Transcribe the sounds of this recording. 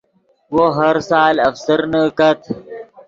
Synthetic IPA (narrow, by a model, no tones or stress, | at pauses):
woɦɐɾsaːlɐfsəɾnəkɐt̪ʰ